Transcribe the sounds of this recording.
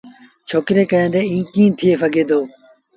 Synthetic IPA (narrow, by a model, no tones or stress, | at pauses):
t͡ʃʰoːkɾeːkəjãːd̪eːĩːkĩːt̪ʰɪeːfəɡeːd̪oː